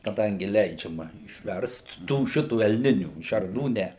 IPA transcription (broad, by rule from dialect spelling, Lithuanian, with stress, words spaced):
kɐˈdɐŋʲɡʲɪ ˈlʲɛɪd͡ʒʲɛmɐ ɪʃʲˈʋʲɛrst ˈtuː ˈʃʲɪtuː ɛlʲˈnʲɪnʲuː ʃʲɛrˈnuː ˈnʲɛ